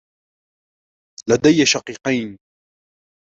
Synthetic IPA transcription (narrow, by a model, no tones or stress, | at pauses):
lad̪ajːaʃɑqiːqajn